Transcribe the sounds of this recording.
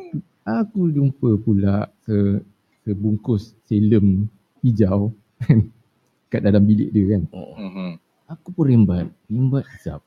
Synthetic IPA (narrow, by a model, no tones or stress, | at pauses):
akudumpəpulaʔsə | səbuŋkʊsːeləm | pid͡ʒaw | kan | kat̪̚dadambilɪ̰ʔdiəkanoʔ | akupʊnɾɛmbat̪̚mimbat̪̚sa̰p̚